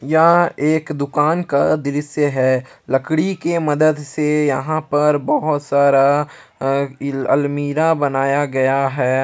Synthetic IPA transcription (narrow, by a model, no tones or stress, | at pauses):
jaeːkd̪ʊkaːnkad̪ɪɾɪsjəɦɛːlɐkɽikemɐd̪əd̪sejɐɦãpɐɾbɐɦʊt̪saːɾa | ɐ̰lmiːɾabɐnaːjaɡɐjaɦɛː